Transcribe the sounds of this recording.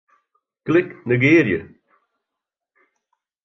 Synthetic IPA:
klɪknəɡeːɾjə̰

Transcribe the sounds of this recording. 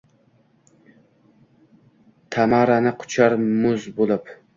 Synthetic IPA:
t̪ʰamaɾanɪqʰʊ̥t͡ʃʰaɾmʊzbolˠɪp

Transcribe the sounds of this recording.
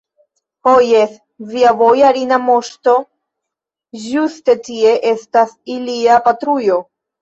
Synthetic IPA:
hojes | viavo̞jaɾinamo̞ʃto̞ | ʒuste̞tie̞ʔe̞stasiliapatɾujo̞

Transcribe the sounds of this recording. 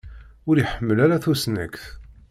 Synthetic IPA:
ʊɾiħəmːəlaɾaθusnæ̰kθ

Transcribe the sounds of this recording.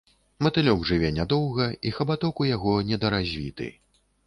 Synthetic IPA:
mɐt̪ɨlʲɔɡʐɨvʲɛnʲad̪ɔwɣɐixɐbat̪ɔkujaɣɔnʲɛd̪ɐɾazʲvʲit̪ɨ̰

